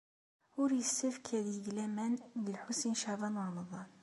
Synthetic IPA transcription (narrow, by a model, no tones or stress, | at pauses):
ʊɾjəsːæfkʰæðiɡlæmænləlħusinʃɑðˤɑnwɾˤɑmɑðˤɑn